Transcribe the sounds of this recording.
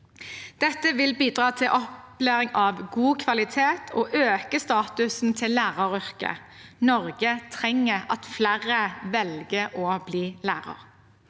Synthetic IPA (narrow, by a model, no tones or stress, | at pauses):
d̪̥ɛt̪ːəʋɪlbiːd̪ʁɑːt̪ʰɪlʔɔp | læːʁɪŋɑʋɡuːkʰʋɑlɪt̪ʰeːt̪ʰoːʔøːkəst̪ɑːt̪ʉsn̩t̪ʰɪlːæːʁɑʁʏʁkə̰ | nɔʁɡət̪ʰʁɛŋːəɑt̪flæʁəʋɛlɡəʔoːbliːlæːʁɑ̰ʁ